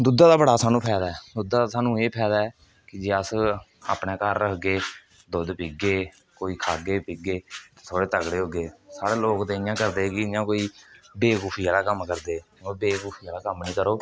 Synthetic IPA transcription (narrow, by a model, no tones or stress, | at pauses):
d̪ʊd̪aːd̪aːbəɽaːsaːnũːpʰɛːd̪aːɛːd̪ʊd̪aːd̪aːsaːnũːeːpʰɛːd̪aːɛː | kɪd͡ʒeːəs | a̰ːpɳẽːkəɾəɡeː | d̪od̪piːɡeː | koːiːkʰaːɡeːpiːɡeːt̪ẽːsʰoːɽeːt̪əkɽeːɦoːɡeːsaːɽeːloːkt̪eːjãːkəɾd̪eːɡijãːkoːiːbeːkuːpʰiːaːlaːkəmkəɾd̪eː | obeːkuːpʰiːaːlaːkəmnĩːkəɾoː